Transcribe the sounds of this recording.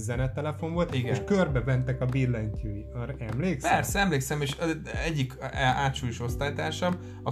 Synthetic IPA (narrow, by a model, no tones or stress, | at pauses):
zɛnɛt̪ɛlɛfo̞ɱvo̞lt̪iɡɛeʃkørbɛvɛnt̪ɛkɒbirlɛɲkyiɒɾɛmleːkspɛrsɛɛmleːksɛmeːʃɛɟːikaːt̪ʃujuʃo̞st̪aːjt̪aːʃɒm | ɒ